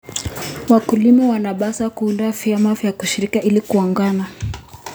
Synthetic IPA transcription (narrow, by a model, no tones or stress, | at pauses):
wakulimɔwanaɓasakuːndɔaviamavjakuʃiɾikaʔilikuɔŋɡana